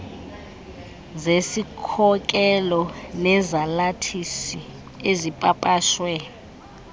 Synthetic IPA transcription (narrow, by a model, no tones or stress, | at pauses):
zesikʰɔk̬ʼɛlɔnɛzalatʰisi | ezipʼapʼaːʃwɛ